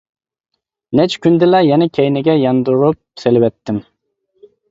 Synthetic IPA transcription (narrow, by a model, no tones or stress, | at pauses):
nɛt͡ʃʰkʲynd̪ɪlɛjɛnɛkʲʰɛjnɪɡʲɛjɑnd̪uɾup̚selɪwɛt̪ʰːɪm